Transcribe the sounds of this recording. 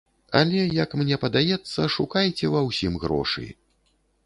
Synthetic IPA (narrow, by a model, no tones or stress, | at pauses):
a̰lʲɛjɐkmnʲɛpɐd̪ajɛt̪sːɐʂukajt͡sʲɛvɐwsʲimɣɾɔ̰ʂɨ̰j̰